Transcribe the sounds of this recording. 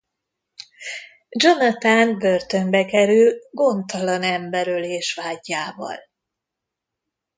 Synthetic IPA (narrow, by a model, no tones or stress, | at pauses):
d͡ʒonɒt̪aːnbørt̪ø̞mbɛkɛɾylɡo̞nt̪ɒlɒnɛmbɛɾøleːʃʋaːɟːaːvɒ̰l